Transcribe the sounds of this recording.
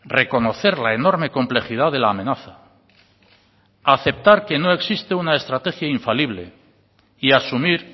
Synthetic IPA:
re̞ko̞no̞θe̞ɾlae̞no̞ɾme̞ko̞mple̞xið̞aðe̞laːmẽ̞naθa | aθe̞p̚t̪aɾke̞no̞e̞ksist̪eunae̞st̪ɾat̪e̞xjaiɱfaliβle̞̰ | iasumiɾ

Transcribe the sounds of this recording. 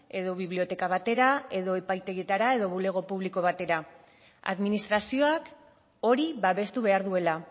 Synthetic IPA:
e̞ðo̞βiβlio̞t̪e̞kaβat̪e̞ɾae̞ðo̞e̞pajt̪e̞ɣet̪aɾae̞ðo̞βule̞ɣ̞o̞puβliko̞β̞at̪e̞ɾa | a̰ðminist̪ɾasio̞ak | o̞ɾiβaβe̞st̪uβe̞aɾðue̞la

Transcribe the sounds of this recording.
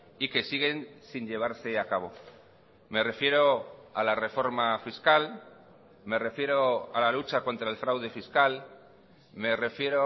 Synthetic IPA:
ike̞siɣe̞nsiɲʎe̞β̞aɾse̞akaβ̞o̞ | me̞re̞fje̞ɾo̞alare̞fo̞ɾmafiskal | me̞re̞fje̞ɾo̞alalut͡ʃako̞nt̪ɾae̞lfɾawðe̞fiskal | me̞re̞fje̞ɾo

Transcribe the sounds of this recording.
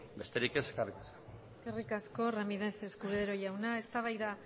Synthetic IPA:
be̞st̪eɾikese̥skerikasḁeskerikasko̞ramiðeθe̞skuðeɾo̞jawnae̞st̪aβ̞ajða

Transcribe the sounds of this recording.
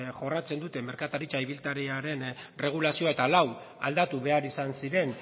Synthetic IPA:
ʝo̞rat͡se̞nd̪ut̪e̞me̞ɾkat̪aɾit͡ʃaiβ̞ilt̪aɾeaɾe̞nre̞ɣ̞ulasio̞ae̞t̪alaw | a̰ld̪at̪uβe̞aɾisansiɾe̞n

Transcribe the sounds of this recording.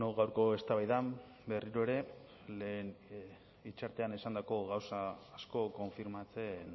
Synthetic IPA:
noɣawɾko̞e̞st̪aβajðam | be̞riɾo̞e̞ɾe̞ | leːn | it͡ʃaɾt̪e̞anesand̪ako̞ɣawsaːsko̞ko̞ɱfiɾmat͡se̞n

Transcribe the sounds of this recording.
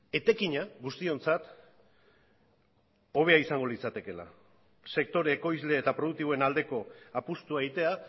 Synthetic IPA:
e̞t̪e̞kiɲaɣust̪io̞nt͡sat̪ | o̞β̞e̞aisaŋɡo̞lit͡sat̪e̞ke̞la̰ | se̞k̚t̪o̞ɾeːko̞jzle̞ːt̪apɾo̞ð̞uk̚t̪iβo̞e̞nald̪e̞ko̞apust̪uaeit̪e̞a

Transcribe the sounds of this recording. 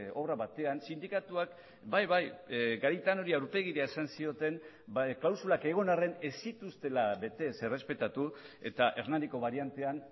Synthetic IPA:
oβɾaβat̪e̞ansind̪ikat̪uak | bajβajɡaɾit̪ano̞ɾiawɾpe̞ɣ̞iɾeaesansio̞t̪e̞n | klawsulake̞ɣ̞o̞nare̞ne̞sit̪ust̪e̞laβe̞t̪e̞se̞respe̞t̪at̪ue̞t̪aʔe̞ɾnand̪iko̞βaɾiant̪e̞an

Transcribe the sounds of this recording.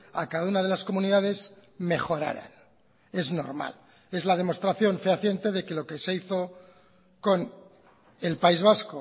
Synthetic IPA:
a̰kaðaunaðe̞lasko̞mũniðað̞e̞zme̞xo̞ɾa̰ɾa̰n | e̞zno̞̰ɾma̰l | e̞zlaðe̞mo̞st̪ɾaθjo̞ɱfeaθje̞nt̪eðe̞ke̞lo̞ke̞se̞iθo̞ | ko̞n | e̞lpaizβ̞asko

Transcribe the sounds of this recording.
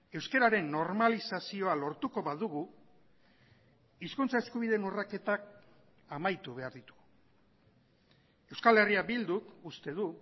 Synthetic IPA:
e̞wske̞ɾaɾe̞nːo̞ɾmalisasio̞alo̞ɾt̪uko̞βaðuɣu | iskunt͡sae̞skuβiðe̞nurake̞t̪ak | amajt̪uβ̞e̞aɾðit̪u̥ | e̞wskale̞riabild̪ukust̪e̞ðu

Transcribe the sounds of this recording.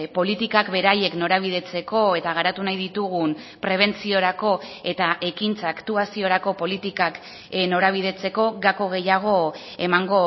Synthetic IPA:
po̞lit̪ikakbe̞ɾaje̞kno̞ɾaβ̞ið̞e̞t͡se̞ko̞e̞t̪aɣaɾat̪unajðit̪uɣun | pɾe̞β̞e̞nt͡sio̞ɾako̞e̞t̪aʔe̞kint͡saːkt̪uasio̞ɾako̞po̞lit̪ikak | no̞ɾaβ̞ið̞e̞t͡se̞ko̞ɣako̞ɣ̞e̞jaɣ̞o̞e̞maŋɡo̞

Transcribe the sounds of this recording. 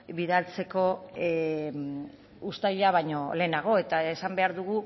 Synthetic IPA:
βiðalt͡se̞ko̞ | ust̪aʎaβ̞ajɲo̞le̞ːnaɣ̞o̞e̞t̪aesambe̞aɾðuɣ̞u

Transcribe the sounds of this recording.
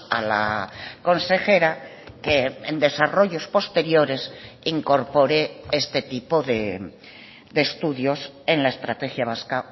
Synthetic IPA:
a̰la̰ko̞nse̞xe̞ɾakeend̪e̞saro̞ʝo̞spo̞st̪e̞ɾjo̞ɾe̞siŋko̞ɾpo̞ɾeest̪et̪ipoðe | d̪est̪uðjo̞s | e̞nlaest̪ɾat̪e̞xjaβ̞aska

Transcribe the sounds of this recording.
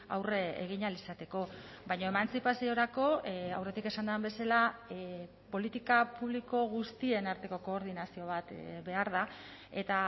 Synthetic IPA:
a̰wreḛɣ̞iɲalisat̪e̞ko̞ | βajɲo̞e̞mansipasio̞ɾako̞awre̞t̪ike̞sand̪uambe̞sala | po̞lit̪ikapuβ̞liko̞ɣ̞ust̪ie̞naɾt̪e̞ko̞ko̞ːɾð̞inasio̞β̞at̪be̞aɾð̞a | e̞t̪a

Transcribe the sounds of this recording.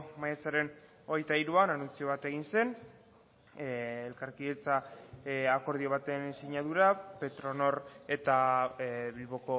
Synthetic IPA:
majet͡saɾe̞n | o̞ɣ̞e̞jt̪aiɾuananunt͡sio̞β̞at̪e̞ɣ̞inse̞n | elkaɾkiðet͡sa | ako̞ɾð̞io̞β̞at̪e̞nsiɲaðuɾape̞t̪ɾo̞no̞ɾe̞t̪a | βilβo̞ko̞

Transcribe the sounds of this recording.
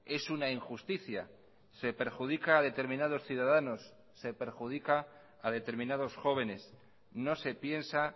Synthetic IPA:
e̞sunaiŋxust̪iθja̰ | se̞pe̞ɾxuð̞ikaːðe̞t̪eɾmĩnað̞o̞sθjuðaðano̞sː | e̞pe̞ɾxuð̞ikaː | ðe̞t̪e̞ɾmĩnað̞o̞sxo̞β̞e̞ne̞s | no̞se̞pje̞nsa

